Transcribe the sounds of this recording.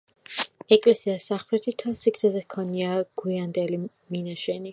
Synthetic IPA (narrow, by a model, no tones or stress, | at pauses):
ɛkʼlɛsiasaχlɛt̪ʰit̪ʰalˠsiɡ̪zazɛhkʰɔniaɡ̥wiand̪ɛli | minaʃɛni